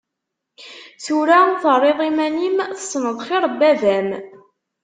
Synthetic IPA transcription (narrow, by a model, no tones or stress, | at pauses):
θuɾaθərˤːeðˤimænimθə̥sˤːnəðˤχɪɾˤbːævæm